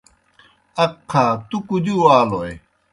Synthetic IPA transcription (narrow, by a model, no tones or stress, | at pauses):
ɐkʰːat̪ukud̪uaːloj